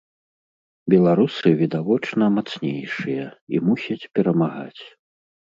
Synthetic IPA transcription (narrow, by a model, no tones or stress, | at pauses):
bʲɛlˠaɾusɨvʲid̪avɔt͡ʂnɐmat̪snʲejʂɨjɐḭmusʲɐt͡sʲpʲɛɾɐmaɣa̰t͡sʲ